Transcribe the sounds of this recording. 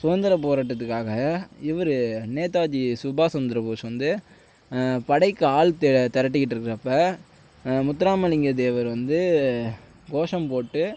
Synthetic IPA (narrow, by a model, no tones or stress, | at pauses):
sʊʋɐnd̪ɐɾɐp̬oːɾaːʈːɐt̪ːɯkːaːɣɐɪʋɐɾɯneːt̪aːd͡ʒisʊbaːsɔnd̪ɐɾɐpuːsʋɐnd̪ɯ | pɐɽɐɪkːɯaːɭt̪t̪ɐɾɐʈ̬ːɯkɪʈ̬ːɪɾɯkːɯɾɐpːɐ | mʊt̪ːɐɾaːmɐlɪŋɡɐd̪eːʋɐɾʋɐnd̪ɯ | ɡoːʂɐmpoːʈːɯ